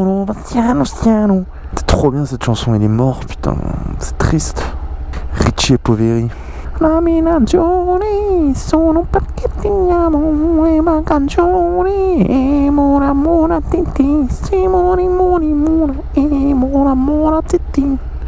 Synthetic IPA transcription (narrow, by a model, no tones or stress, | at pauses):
nõvasjanõsjanõ | sɛ̥t̪χobjɛ̃sɛt̪ʃɑ̃sɔ̃ɛlɛmɔʁpy̥t̪ɛ̰̃sɛ̥t̪χist̪ | ʁit͡ʃepoveʁi | naminad͡ʒonisɔ̃nõpat̪ket̪iɲamõũemakad͡ʒoɾiemoɾamoɾat̪et̪isimoɾimõnimoɾa | emoɾamoɾat̪et̪i